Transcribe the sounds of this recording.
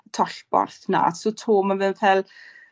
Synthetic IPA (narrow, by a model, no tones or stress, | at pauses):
tʰɔɬbɔ̰rθna̰sotʰoːmanvɨnfɛl